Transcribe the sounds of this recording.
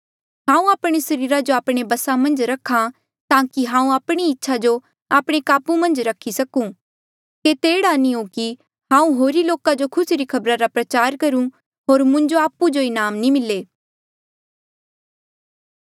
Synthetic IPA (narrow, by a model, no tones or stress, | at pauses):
ɦãːũaːpɽ̃isɐɾiːɾad͡ʒoaːpɽ̃ebɐsamɐ̃nd͡ʒɾɐkʰːã | t̪ãːkiɦãːũaːpɽ̃iɪtːʃʰad͡ʒo | aːpɽ̃ekaːpumɐ̃nd͡ʒɾɐkʰːisɐkũ | ket̪eːɽaniõki | ɦãːũɦoːɾiloːkad͡ʒokʰʊsɾikʰɐbɾaɾapɾɐt͡ʃaːɾkɐɾũ | ɦoːɾmʊ̃ɲd͡ʒoaːpːud͡ʒoɪnaːmnĩmɪlːeː